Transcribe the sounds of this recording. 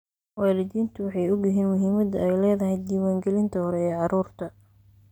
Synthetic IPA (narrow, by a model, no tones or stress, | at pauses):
wɑːlɪdiːnt̪ʰʊwɑħɑjʊɡɪɦiːnmʊɦiːmɐd̪ɐɛjlɛːðɐɦɛjd̪iːwaːŋɡɛlɪnt̪ʰɐhɔɾɛɛːʕɑɾuːrt̪ʰɐ